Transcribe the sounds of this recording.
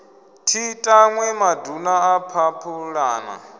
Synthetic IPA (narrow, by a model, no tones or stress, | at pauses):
tʰitʼaŋwɛmadʱunaːpʰapʰuɺaːna̰